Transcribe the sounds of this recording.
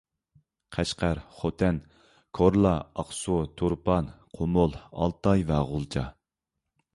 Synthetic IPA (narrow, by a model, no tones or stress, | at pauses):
qʰæʃqæɾχot̪ʰɛn | kʰoɾlˠɑɑqsut̪ʰuɾpɑnqʰomolˠɑ̰lˠt̪ɑjvɛʁʊlˠt͡ʃʰɑ